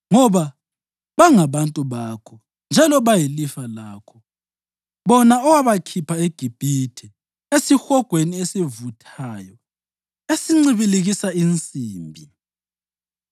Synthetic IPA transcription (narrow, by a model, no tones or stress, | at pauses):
ŋɔβa | βaŋaβantʼuβakʰɔ | nd͡ʒʱalɔβajilifalaːkʰɔ | βɔnaɔwaβakʰipʰaeɡ̥ʱib̥ʱitʰɛ | esixɔɡ̥ʱweniesivutʰaːjɔ | esiŋ͡ǀiβiliɣisaint͡sʼiːmbʱi